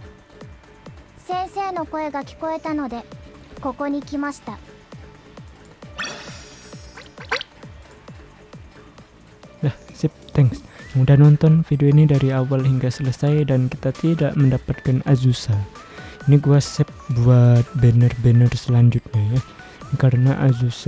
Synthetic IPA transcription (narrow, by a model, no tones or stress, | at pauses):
sẽ̞ɰ̃se̞ːno̞ko̞e̞ɡakʲi̥ko̞et̪ano̞d̪e̞ko̞ko̞ɲ̟ikʲimaɕi̥t̪a | dahsɛp̚t̪ɛŋksjaŋdanɔnt̪ɔnfideoinidaɾiawalhiŋɡasələsajdanki̥t̪at̪idaʔməndapat̪̚kanazusan | iniɡuasɛp̚buat̪̚bənərbənərsəlaɲd͡ʒut̪̚ɲaja | kaɾənaʔazus